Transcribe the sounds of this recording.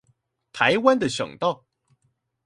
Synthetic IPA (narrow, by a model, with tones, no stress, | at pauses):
t̪ʰa˨˦ɪwa˥˦nd̪ə˨ɕɑ̰˨˩ŋt̪ɑ˥˩ʊ